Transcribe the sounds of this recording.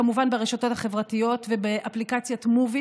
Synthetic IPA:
amuvanbeʁeʃato̞thaχevʁatijo̞tvebeʔaplikat͡sjatmuvi

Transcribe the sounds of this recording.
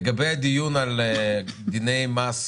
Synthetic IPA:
ɡabɛd̪ijunalɛd̪inɛjmas

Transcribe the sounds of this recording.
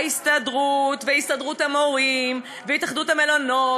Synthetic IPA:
ist̪adʁutveist̪adʁuthamo̞ʁim | vehitaχd̪uthame̞lono

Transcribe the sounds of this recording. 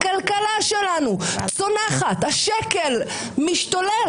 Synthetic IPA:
kalkalaʃelanut͡sonaχat̪haʃekel | miʃt̪ole

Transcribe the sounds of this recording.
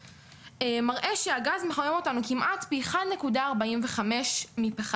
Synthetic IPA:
emaʁʔe̞ʃeaɡazmeχajemo̞tanukimʔatbiːχadnekudaːʁbaimveχame̞ʃmipeχa

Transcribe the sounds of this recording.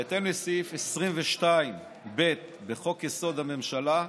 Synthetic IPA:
at̪emlesifesʁimveʃtaim | be̞t̪ | beχo̞kjeso̞d̪hame̞mʃala

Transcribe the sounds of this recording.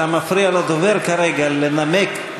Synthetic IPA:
amafɾialad̪oveɾkaɾeɡallenamek

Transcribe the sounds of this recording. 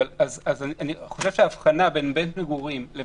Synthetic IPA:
lazazanianiχo̞ʃe̞v̥ʃeaːfχanabe̞nbentmeɡuʁimle

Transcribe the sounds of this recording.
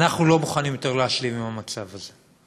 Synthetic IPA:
naχnulo̞muχanimjo̞t̪e̞ʁleaʃlimimamat͡savaze

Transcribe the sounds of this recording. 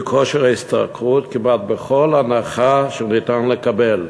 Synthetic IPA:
kʰoʃeʁaist̪a̰kʁut̪kimat̪̚beχolanaχaʃenit̪anlekabel

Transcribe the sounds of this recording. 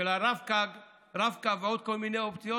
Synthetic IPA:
elaɾavkaɡ | ɾavkaveod̪̚ko̞lminejoptijo

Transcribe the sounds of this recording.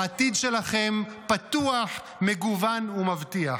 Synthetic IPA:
at̪id̪ʃe̞laχempat̪uaħ | me̞ɡuvanumavtia

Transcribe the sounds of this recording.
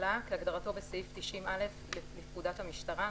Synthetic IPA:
lakeaɡdaʁato̞beseift̪iʃimʔale̞flelifkudathamiʃtaʁa

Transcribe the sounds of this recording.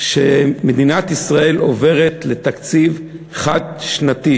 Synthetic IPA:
ʃʃemed̪inat̪isʁae̞lo̞ve̞ʁet̪le̞t̪akt͡siv | χad̪̚ʃnat̪i

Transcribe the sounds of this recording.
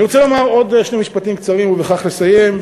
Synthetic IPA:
iʁot͡selo̞maʁo̞d̪eʃnemiʃpat̪imkt͡saʁimuveχaχle̞saje̞m

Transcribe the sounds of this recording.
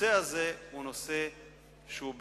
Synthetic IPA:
eazeunose | ʃub

